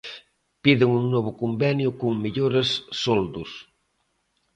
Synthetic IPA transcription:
piðɪŋuŋnɔβ̞ʊkumbɛnjʊkuŋmiʎoɾesːold̪us

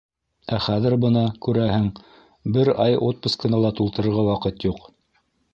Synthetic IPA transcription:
æχæðɘɾbɤnɑkʉɾæhɘŋ | bɘɾɑjot̪̚pŭskɤ̆nɑlˠɑt̪ulˠt̪ɤ̆ɾɤ̆ɾʁɑwɑqɤt̪juq

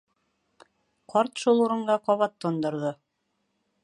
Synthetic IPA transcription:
qɒɾt̪ʃulˠuɾɤ̆ɴɢɑqɒβɑt̪ːŏnd̪ŏɾðɤ

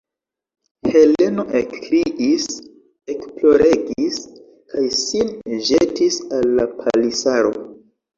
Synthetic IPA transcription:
hele̞no̞ʔekɾiʔis | e̞ksplo̞ɾe̞ɡis | kʰajsinʒetisalːapʰalisaɾo̞̰

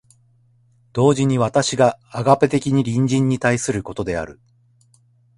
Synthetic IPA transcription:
d̪̥o̞ːʑiɲ̟iβat̪aɕiɡaːɡape̞t̪e̞kʲiɲ̟iɾʲĩɲd͡ʑĩɲ̟ːit̪aisɨɾɯ̟ko̞t̪o̞d̪e̞a̰ɾɯ̟

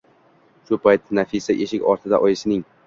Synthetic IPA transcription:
ʃʊpʰajt̪ːnafisaʔe̞ʃɪkʲɒɾt̪ʰɪd̪a̰ʔɒjɪsɪnɪŋ

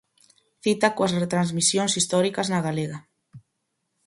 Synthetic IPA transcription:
θit̪akoɐsret̪ɾanzmisjoŋsist̪ɔɾikɐznɐɣaleɣa

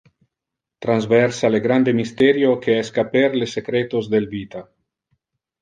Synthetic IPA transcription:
t̪ɾanzvɛɾsaleɡɾand̪emist̪eɾjokʰeeskapeɾlesekɾet̪ozd̪elvit̪a

